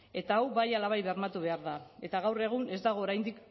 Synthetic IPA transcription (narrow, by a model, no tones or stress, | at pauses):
e̞t̪aːwβajalaβajβeɾmat̪uβ̞e̞aɾðae̞t̪aɣawre̞ɣ̞une̞zd̪aɣ̞o̞ːɾajnd̪ik